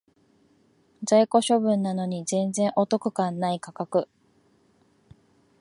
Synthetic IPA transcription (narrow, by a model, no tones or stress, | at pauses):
d͡zaiko̞ɕo̞bɯ̟̃nːano̞ɲ̟izẽ̞nd͡zẽ̞ɰ̃ʔo̞t̪o̞kɯ̟̥kãnːaikakakɯ̟